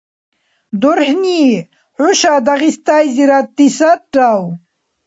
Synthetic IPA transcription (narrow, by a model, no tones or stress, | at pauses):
d̪uɾhni | huɕad̪aɣist̪ajziɾat̪ːisaʈaw